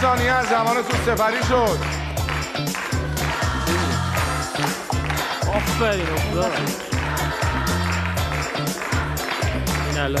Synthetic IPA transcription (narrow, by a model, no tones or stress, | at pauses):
sɒːnijeæzzæmɒːne̞t̪ʰunse̞pæɾiːʃod̪ | ɔfbæɾinokzɔ | al